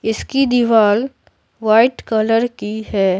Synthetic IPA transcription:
ɪskid̪iʋaːl | ʋaːɪʈkɐləɾkiɦɛː

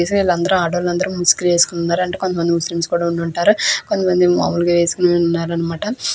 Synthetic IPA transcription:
esknilːɐnd̪ɐɾuaːɽɐʋɐlɐnd̪ɐɾumuskilʋeːsu̥kununːaːɾɐɳʈeːkond̪ɐmɐnd̪imuslimskuːɽaːuɳɖuɳʈaːɾukont̪ɐmɐnd̪ima̰ːmulɡɐʋeːsu̥kunenunːaːɾɐnːɐmaːʈɐ

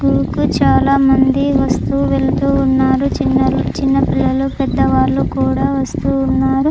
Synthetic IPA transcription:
ɡuːkut͡ʃaːlaːmɐnd̪iʋɐst̪uʋeɭt̪uːnːaːɾut͡ʃinːɐlt͡ʃinːɐpilːɐlupɛd̪ːɐʋaːɾlukuːɽaːʋɐst̪uːnːaːɾu

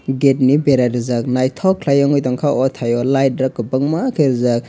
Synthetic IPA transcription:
ɡet̚nibeɾaɾɯzaknajtʰɔkʰlajaŋɔjtaŋkʰaʔɔtʰajɔlajt̚ɾakːɯbɐŋmakʰɯɾɯzak̚

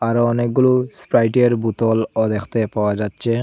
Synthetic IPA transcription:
aɾɔnek̚ɡuluspɾajʈeɾbut̪ɔlɔd̪ekʰt̪epawad͡ʑat̪ːʃʰe

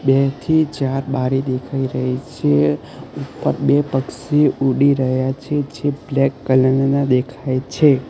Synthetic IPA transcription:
bet̪ʰit͡ʃaɾbaɾid̪ekʰaiɾəɦit͡ʃʰe | upːə̰ɾbepəkseuɽiɾəɦjat͡ʃʰed͡ʒeblɛkːələnnad̪ekʰajt͡ʃʰe

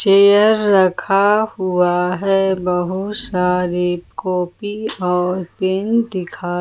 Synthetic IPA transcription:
t͡ʃejəɾːəkʰahuaɦɛbɐɦʊsaːɾikoːpiɔːɾpend̪ɪkʰaː

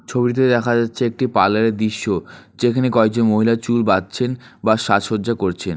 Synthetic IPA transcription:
t͡ɕʰobit̪̬ed̪ɛkʰad͡ʑatːʰeek̚ʈipalaɾed̪iʃːod͡ʑekʰanekɔeɡ̚d͡ʑonmoɦilat͡ɕulbadt͡ɕʰenbaʃaʃoɾd͡ʑakoɾt͡ɕʰen

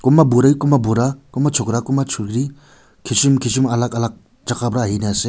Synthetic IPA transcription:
kumabuɾajkumabuɾakumat͡ʃʰukɾakumat͡ʃʰuɾɡɾi | kʰisimkʰis̬imɐlakɐlak̚ | d͡ʒakʰabɾaːɦinease

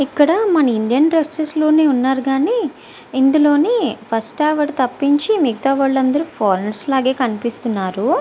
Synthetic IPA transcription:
ikːɐɽɐmɐnɐiɳɖijɐnpɾesɐslo̞ːneːunːaːɾuɡaːneː | ind̪ulo̞ːneːpʰɐsʈaːʋɐɾt̪ɐpːiɲt͡ʃimiɡit̪aːʋaːɭːɐnd̪ɐɾupʰoːɾenslaːɡe̞ːkɐnipist̪unːaːɾu

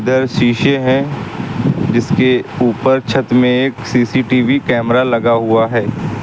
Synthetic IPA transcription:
d̪əɾʃiːʃeɦɛ̃ | d͡ʒɪskeuːpəɾt͡ʃʰət̪mẽeːksiːsiʈiːʋikɛːmɾalɐɡaɦʊaɦɛː

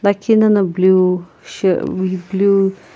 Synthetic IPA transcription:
lakʰinɐnɐblu | ʃəiblu

